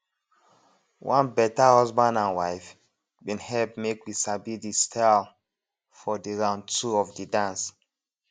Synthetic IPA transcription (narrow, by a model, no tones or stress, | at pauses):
wʔãnbɛtahɔzbãndãnwaɪf | bĩnhɛlpmekwisabidistʰal | fɔdiɹãʊ̃ntʰuɔfdidãns